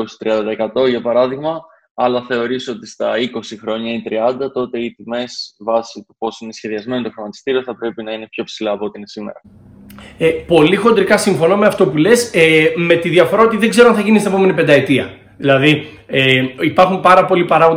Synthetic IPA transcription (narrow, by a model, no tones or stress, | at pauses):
osi̥t̪ɾiɐnd̪ɐekɐt̪o̞ʝɐpɐɾɐðiɣmɐ | ɐlɐθe̞o̞ɾisot̪ist̪ɐiko̞sixɾo̞ɲɐit̪ɾiɐnd̪ɐt̪o̞t̪e̞it̪ime̞svɐsit̪u̥po̞sine̞sçe̞ðiɐzme̞nit̪o̞xɾomɐt̪i̥st̪iɾio̞θɐpɾe̞pinɐine̞pço̞psilɐːpot̪iinesimḛɾɐ | epo̞lixo̞nd̪ɾikɐsiɱfo̞nome̞ɐft̪o̞pule̞seme̞t̪iðiɐfo̞ɾɐot̪iðe̞ɡze̞ɾoɐnθɐʝinist̪epme̞nipend̪ɐe̞t̪iɐ | ðilɐði | eipɐɾxumpɐɾɐpo̞lipɐɾɐɣd̪